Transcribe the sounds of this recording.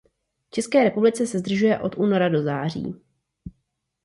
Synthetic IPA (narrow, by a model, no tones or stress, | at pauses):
ft͡ʃɛskɛːɾɛpublɪt͡sɛsɛzd̪r̩ʒujɛʔo̞t̪ʔuːno̞ɾado̞zaːr̝ḭː